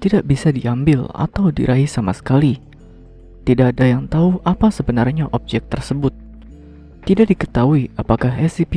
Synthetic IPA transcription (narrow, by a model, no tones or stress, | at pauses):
t̪idaʔbisadiambɪla̰t̪awdḭɾʔaɦisamasə̥kali | t̪idaʔdajaŋt̪auapasəbənarɲaʔɔp̚d͡ʒɛk̚t̪ərsəbʊt̪̚ː | idaʔdikət̪auiapakaɦɛsip